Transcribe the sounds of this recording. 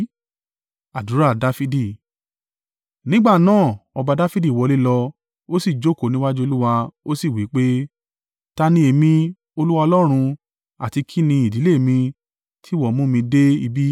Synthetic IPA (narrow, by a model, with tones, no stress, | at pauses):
a˨du˨˦ɾa˦˨da˦fi˦di˦˨ | nĩ˦ɡ͡ba˦˨nãː˦˨ɔ˧ba˧da˦fi˦di˦˨wɔ˨˧le˦lɔ˧ | o˦si˦˨d͡ʒo˦˨ko˦˨nĩ˦wa˦d͡ʒu˦o˧lu˦wa˧o˦si˦˨wi˨˦k͡pe˦ | ta˦nĩ˧˦e˨mĩ˧ | o˧lu˦wa˧ɔ˧lɔ˦ɾ̃ũ˧ | a̰˨ti˧kʰi˦nĩ˧i˨di˨˦le˦˨mĩ˧ | tʰi˦˨wɔ˦˨mũ˦mĩ˧de˦i˧bi˦